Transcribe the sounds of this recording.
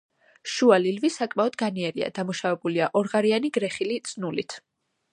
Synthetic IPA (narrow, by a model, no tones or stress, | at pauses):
ʃualilvisakʼmaɔd̪ɡaniɛɾia̰d̪amuʃavɛbuliaʔɔɾʁaɾianiɡɾɛχilit̪sʼnulit̪ʰ